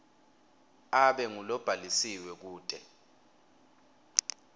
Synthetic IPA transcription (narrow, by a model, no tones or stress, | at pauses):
aɓɛŋulɔb̥ʱalisiwɛk̬uːd̥ʱɛ